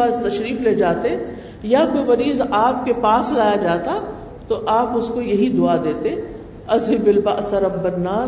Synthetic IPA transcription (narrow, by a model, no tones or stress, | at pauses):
aːzt̪ɐʃɾiːfleːd͡ʒaːt̪e | jakoːimɐɾiːzaːp̚kepaːslaːjad͡ʒaːt̪a | t̪oʔaːpʊskojɐɦid̪ʊad̪eːt̪e | ɐzɦɪbɪlbɐʔsɐɾɐbːɐnːaː